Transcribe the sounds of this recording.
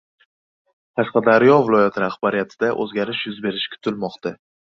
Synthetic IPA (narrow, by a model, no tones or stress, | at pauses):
t̪ʰasqɑd̪aɾjɒvɪlˠɒjat̪ʰɪɾahbaɾɪjat̪ʰɪd̪aʔɵ̰zɡʲaɾɪʃjʊzbe̞ɾɪʃkʲʰʊ̥t̪ʰɪlmɒqt̪a